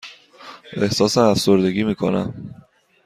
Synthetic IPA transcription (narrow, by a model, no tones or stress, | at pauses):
e̞hsɒːsæmæfso̞ɾd̪e̞ɡiːmiːkʰo̞̰næ̰m